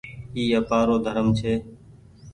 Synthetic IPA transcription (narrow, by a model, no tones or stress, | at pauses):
iːəpaːɾoːd̪ʱəɾəmt͡ʃʰeː